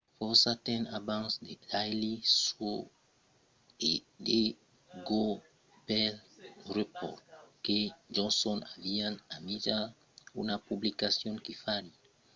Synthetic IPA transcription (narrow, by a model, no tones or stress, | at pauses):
fɔsat̪ɛ̃nabãnsd̪elajliso | e | de | ɡo | pɛlrepɔ̰ɾt̪̚ked͡ʒɔ̃nsɔnavianamiʒa | ṵnapublikasjɔ̃nkifali